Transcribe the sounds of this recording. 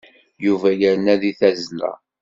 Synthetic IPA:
juvæjəɾnæðiθæzlæ̰

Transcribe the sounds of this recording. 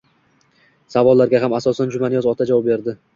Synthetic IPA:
savɒlˠːaɾɡʲaɦamasɒsand͡ʒʊmanɪjɒzɒt̪ʰad͡ʒavɒp̚be̞ɾd̪ɪ

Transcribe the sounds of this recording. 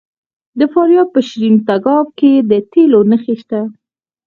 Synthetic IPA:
d̪əfɑɾijɑb̪̚pəʃɾimt̪aɡɑb̚ked̪ət̪elonəxeʃt̪a

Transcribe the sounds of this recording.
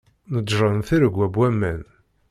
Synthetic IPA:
nədːɾˤənθiɾəɡʷːæbwæmːæn

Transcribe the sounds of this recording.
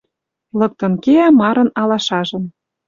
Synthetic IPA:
lɤ̆k̚t̪ɤ̆nkeæmɑɾɤ̆nɑlɑʃɑʒɤ̆n

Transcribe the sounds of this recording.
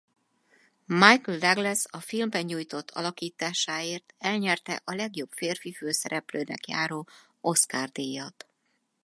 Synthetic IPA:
majkld̪ɛɡlɛsɒfilmbɛɲɲuːjt̪o̞t̪ʰːɒ̰lɒkiːt̪aːʃaːeːrt̪ɛlɲɛrt̪ɛ̰ʔɒlɛɡjo̞pfeːrfiføːsɛɾɛpløːnɛ̰kjaːɾoː | o̞skaːrd̪eːjɒt̪

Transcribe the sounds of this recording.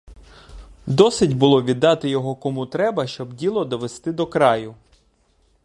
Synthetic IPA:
d̪ɔsɪdʲbʊlˠɔʋʲid̪ːɑt̪ɪjɔɦɔkɔmut̪ɾɛbɐʃt͡ʃɔbdʲilˠɔd̪ɔʋest̪ɪd̪ɔkɾɑjʊ

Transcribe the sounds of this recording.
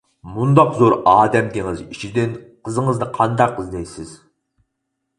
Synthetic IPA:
mʊnd̪ɑqzoɾɑːd̪ɛmd̪eŋɪzɪt͡ʃʰɪd̪enqʰəzəɴəznɨqʰɑnd̪ɑqɪznejsɪz̥

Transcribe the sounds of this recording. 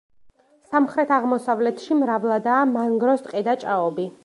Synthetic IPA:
samχɾɛt̪ʰaʁmɔsavlɛt̪ʰʃimɾavlˠad̪aːmaŋɡɾɔst̪ʼqʼɛd̪at͡ʃʼaɔbi

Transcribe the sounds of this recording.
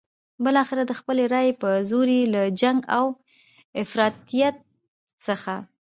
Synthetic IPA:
bəlɑxɪɾad̪əxpəleɾɑjepəzoɾilad͡ʒaŋɡaw | ɪfɾɑt̪ijat̪̚ | səxa

